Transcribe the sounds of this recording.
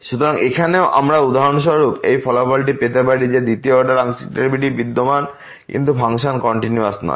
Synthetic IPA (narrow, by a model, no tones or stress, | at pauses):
ʃut̪oɾaŋekʰaneoʔa̰mɾaud̪aɦonʃɔɾupḛjfʰɔlapɔlʈipet̪epaɾid͡ʑed̪it̪ioɔɾɖaɾaŋsi̥ʈeɾbiʈibid̪ːoman | kḭnt̪ufʰaŋʃankɔɳʈinjuasnɔ̰